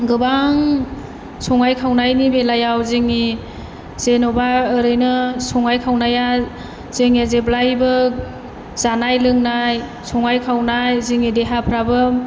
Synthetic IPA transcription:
ɡɯbaŋ | sɔŋajkʰawnajnibelajawzeŋi | z̥enɔbaɯɾɯjnɯsɔŋajkʰawnaja | z̥eŋazeblajbɯ | z̥anajlɯŋnaj | sɔŋajkʰawnajziŋideɦapʰɾabɯ

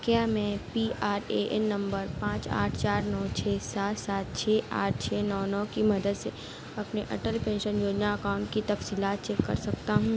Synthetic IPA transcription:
kjaːmɛ̃ːpiːaːɾeʔɛ̰nːɐ̃mbəɾpãːt͡ʃa̰ːʈʰt͡ʃaːɾnɔːt͡ʃʰɛːsaːt̪saːt̪̚t͡ʃʰeːʔaːʈ̚ʰt͡ʃʰɛːnɔːnɔːkimɐd̪əd̪se | ɐpneʔɐ̰ʈəlpẽːnʃənjoːd͡ʒnaɐkaːʊ̃ɳʈkit̪ɐfsiːlaːt̪̚t͡ʃɛkːɐ̰ɾsɐk̚t̪aɦũː

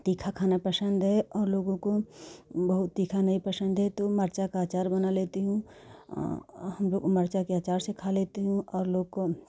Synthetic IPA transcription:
t̪iːkʰakʰaːnapɾɐsə̃nd̪ʱɦɛɔːɾloːɡõko | bɐɦʊt̪ːiːkʰanɐɦipɾɐsə̃nd̪ʱɦɛt̪omɐɾt͡ʃakaaːt͡ʃaːɾbɐnaleːt̪eɦũ | ɦɐmloːɡkomɐɾt͡ʃakeaːt͡ʃaːɾsekʰaːleːt̪eɦũɔːɾloːɡko

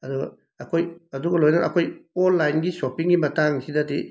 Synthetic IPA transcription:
ɐdu | ɐkʰojɐduɡɐlojnɐʔɐkʰojolːajnɡisopiŋɡimɐtaŋsidɐti

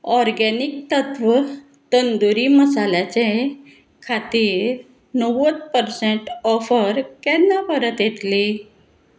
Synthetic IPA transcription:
ɔɾɡɛnik̚t̪ət̪ʋə | t̪ənd̪uɾiməsalat͡ɕe | kʰat̪iːɾ | nəʋət̪pəɾsẽɳʈɔfəɾkɛnːapəɾət̪jet̪li

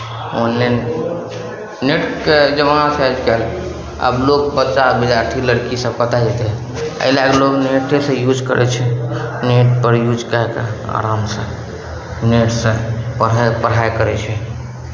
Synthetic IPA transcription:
one | neʈked͡ʒəmaasad͡ʒkɛl | ə̰blokbətːʃabid̪aɾt̪ʰiləɽkisə̃bpət̪ad͡ʒɛt̪ɛ | ə̰lakelokneʈesə̃jud͡ʒkəɾʔɛ̰t͡ʃʰɛneʈ̚pəɾjud͡ʒkəekḛa̰ɾamsə̃ | neʈsə̃pəpəɽ̤ajkəɾɛt͡ʃʰɛ

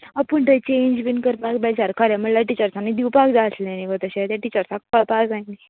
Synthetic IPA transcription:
apuɳʈ̪ət͡ɕeɲd͡ʑbinkəɾnakbɛd͡zaɾkʰaɾjaməɽlaʈit͡ɕəɾsanid̪iwpaɡd͡zaəsleaniʋət̪əɕet̪jaʈit͡ɕəɾsak̚pəpad͡zaini

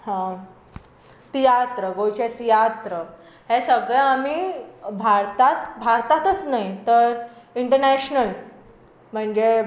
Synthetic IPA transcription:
hã | t̪ijat̪ɾəɡot͡ɕet̪ijat̪ɾə | hesəɡɭãamibʱaɾt̪at̪bʱaɾt̪at̪ət͡snaɦit̪əɾiɳʈəɾnæɕnəl | m̤əɳd͡ʑe

